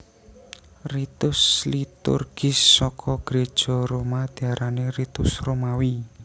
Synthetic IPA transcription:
rit̪ʊslit̪ṵrɡ̥ɪsːɔkʰɔɡ̥ɾed̥ʒ̥ɔ̤ɾomad̪̥i̤aɾʔanerit̪ʊsromawi

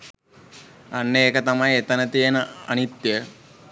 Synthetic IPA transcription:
anːeeːkət̪amajet̪ənət̪ijenəɐnit̪jə

